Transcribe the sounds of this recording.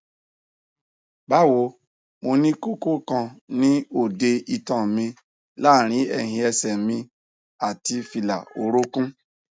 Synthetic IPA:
ba˦˨wo˧˦ | mo˧nĩ˦ko˦ko˦kã˧nĩ˦o˦˨de˧i˧tã˨mĩ˧ | la˦˨ɾ̃ĩ˨˦ɛ˦˨ɦĩ˧ɛ˧sɛ˨mĩ˧ | a˨ti˧fi˧la˨o˨˦ɾo˦kũ˦

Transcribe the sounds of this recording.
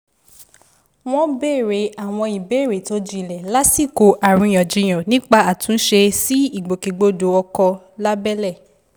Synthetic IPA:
w̃ɔ̃˦be˦˨ɾe˨˦a˨w̃ɔ̃˧i˨be˦˨ɾe˨to˨˦d͡ʒĩ˦˨lɛ˨la˦si˦˨ko˨ʔa˨ɾ̃ũ˧˨j̃ɔ̃˨d͡ʒĩ˨˧j̃ɔ̃˨nĩ˦k͡pa˦˧a˨tũ˨˦n̩˦ʃe˧si˦i˦˨ɡ͡bo˨ki˨ɡ͡bo˦do˨˦ɔ˧kɔ˧ | la˦bɛ˦lɛ˦˨

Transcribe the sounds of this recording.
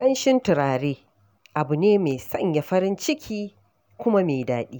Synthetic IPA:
kɐ˦nʃɪ˦ntɪ˨ɾaː˨ɽeː˦ | ʔa˨bʊ˨neː˦meː˨sɐ̰˦˨ɲja˨ɸɐ˦ɾɪ˦nt͡ʃɪ˦kʲʰiː˦ | kʷʊ˦ma˦meː˨daː˨ɗiː˦

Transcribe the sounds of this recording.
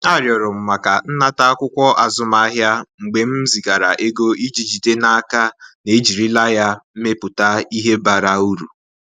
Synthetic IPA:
a˦˨ɾjɔ˨ɾʊ˨m̩˨ma˨ka˨n̩˦na˦ta˦a˦kʷʊ˦kʷɔ˦ʔa˨zʊ˦ma˨a˦ɦja˦ŋ͡m̩˨ɡ͡be˨m̩˦zi˨ɡa˨ɾa̰˨ʔe˦ɡo˦i˦d͡ʒi˨d͡ʒi˨te˦na˦a˦ka˦ne˨˦d͡ʒi˨ɾi˦la˦ja˦m̩˦me˦pʊ˨ta˦i˦ɦe˦ba˨ɾa˦u˦ɾu˨

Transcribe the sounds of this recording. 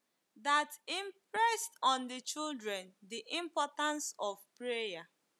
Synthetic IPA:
da˨tĩ˨mpɹɛ˦stɔ̃˨ndət͡ʃi˦ldɹɛ̃˨ndi˨ʔĩ˨mpɔ˦tã˦nsɔvpɹeja˨

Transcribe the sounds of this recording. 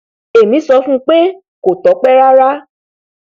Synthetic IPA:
e˨mĩ˨˦sɔ˧fũ˦k͡pe˦ | ko˨tɔ˨˦k͡pɛ˦ɾa˦ɾa˦

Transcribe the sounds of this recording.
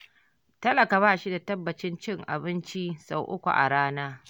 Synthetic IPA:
tɐ˦lɐ˨ka˨βaː˦ʃi˦da˨tɐ˦bːɐ˨t͡ʃɪ˦nt͡ʃɪ˦ŋʔa̰˨bɪ˦nt͡ʃi˦sa˨wʔʊ˦kʷṵ˨ʔa̰˨ɽaː˦naː˦

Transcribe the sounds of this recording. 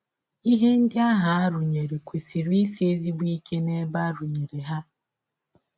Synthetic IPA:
i˦ɦe˦n̩˦dɪ˦a˦ɦa˨a˦ɾʊ˨ɲe˨ɾe˨kʷe˨si˨ɾi˦si˦e˦zi˦bu˦i˦ke˦ne˦ba˦ɾu˨ɲe˨ɾe˨ɦa˦

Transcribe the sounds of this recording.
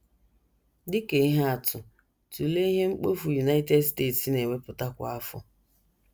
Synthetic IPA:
dɪ˦ke˨i˦ɦa˦a˨tʰʊ˨ | tu˨le˦i˦ɦe˦ŋ͡m̩˦k͡po˦fu˨ju˨na˦ɪ˦te˦dsteː˦˨tsne˨we˦pʊ˨ta˦kʷa˨a˦fʊ̰˨

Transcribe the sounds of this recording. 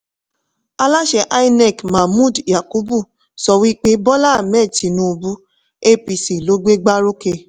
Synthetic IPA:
a˧la˦ʃɛ˧ʔa˦i˦nɛ˦˨kma˨mũ˦˨dja˨ku˦bu˦˨ | sɔ˧wi˦k͡pe˦bɔ˦la˦˨mɛ˦˨ti˨nũ˦u˧bu˦ | e˦˨pi˨si˨lo˨˦ɡ͡be˦ɡ͡ba˦ɾo˦ke˧

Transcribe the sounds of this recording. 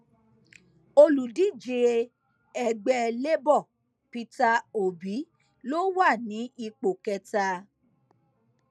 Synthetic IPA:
o˧lu˨di˨˦d͡ʒe˨e˧ | ɛ˨ɡ͡bɛ˧le˦bɔ˦˨ | pi˧ta˧o˨bi˨˦ | lo˦wa˦˨nĩ˨˦i˧k͡po˨kɛ˧ta˧

